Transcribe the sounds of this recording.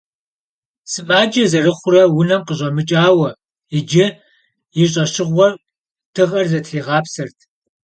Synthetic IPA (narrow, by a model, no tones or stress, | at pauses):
sɨmʼaːd͡ʒɐzɐrɨχʷʊrɐwʊnɐmqəɕʷʼɐmɨt͡ʃʼaːwɐ | ɪd͡ʒɐ | jɪɕʼɐɕɪʁʷɔr | tʰɨʁɐrzɐtʰɬiːʁɑːpsɐrtʰ